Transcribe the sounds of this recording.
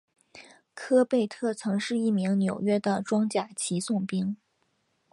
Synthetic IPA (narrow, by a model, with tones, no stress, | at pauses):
kʰɤ˥pe˥˧ɪt̪ʰɤ˥˩t͡sʰɤ˧˥ŋʂɻ̩˥˧i˥˩mi˧˥ŋnjo˨˩ʊɥɛ˥d̪ə˨ʈ͡ʂwɑ˥ŋt͡ɕja˥˩t͡ɕʰi˧˥sʊ˥˩ŋpi˥ŋ